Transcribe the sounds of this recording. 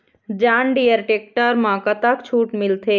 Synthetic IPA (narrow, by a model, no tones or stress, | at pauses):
d͡ʒanɖijəɾʈek̚ʈəɾmãkət̪akt͡ʃʰuʈmilt̪ʰe